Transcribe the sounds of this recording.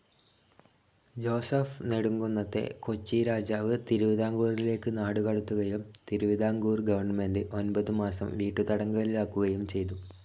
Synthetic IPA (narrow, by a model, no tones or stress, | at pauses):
d͡ʑo̞ːsɐfneɽuŋɡunːɐt̪ːe̞̰ko̞t͡ɕːiɾaːd͡ʑaːʋɨt̪iɾuʋiðʱaːŋɡuːrile̞ːkːɨnaːɽukɐɽut̪ːuɣɐjumt̪iɾuʋid̪aːŋɡuːrɡɐʋɐrɳɐme̞ndɨʔo̞nbɐðɨmaːsɐ̰mʋiːʈːut̪ɐɽɐŋɡɐɭilaːkːuɣɐjumt͡ɕe̞jt̪u